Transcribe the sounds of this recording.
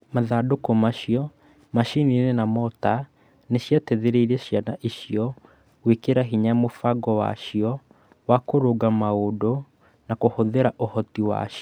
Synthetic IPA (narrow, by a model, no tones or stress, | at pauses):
maðadokɔmaʃiɔ | maʃininenamɔta | neɕjatɛðeɾeiɾɛɕjanaʔiʃijɔ | wekeɾaɦiɲamofaɡɔwa̰ʃiɔ | wakoɾoɡamaodo | nakohoðeɾaʔohɔtiwa̰ʃɔ